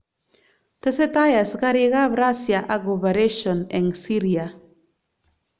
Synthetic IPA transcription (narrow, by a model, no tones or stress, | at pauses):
t̪eset̪ajasɡaɾiɣaβɾasjaʔaɡoβeɾeʃoneŋsiɾja